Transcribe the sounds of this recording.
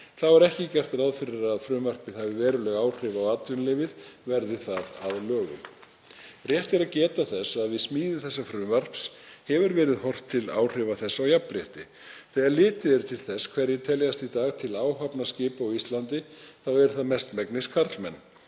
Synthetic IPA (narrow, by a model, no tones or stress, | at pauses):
θawɛɾɛhcɪcɛr̥t̪raðfɪɾɪɾaðfɾʏːmar̥pɪðhavɪvɛːɾʏlɛɣaːwr̥ɪːvawaːt̪vʏnlɪːvɪðvɛɾðɪθaða̰ðlœːɣʏm | rjɛht̪ɪɾaðcɛːt̪aθɛsaðvɪðsmiːðɪθɛsːafɾʏːmar̥pshɛvʏɾvɛːɾɪðhɔr̥t̪ʰːɪla̰ːwr̥ɪvaθɛsːawjapːɾjɛht̪ɪ | θɛːɣaɾlɪːt̪ɪðɛɾʏt̪ʰɪlθɛskʰvɛɾjɛɾt̪ʰɛljast̪it̪aːɣt̪ʰɪlaːwɦapnascɪːpawist̪lant̪ɪθawɛɾθaðmɛst̪mɛknɪskʰaɾ̥t̪lmɛnː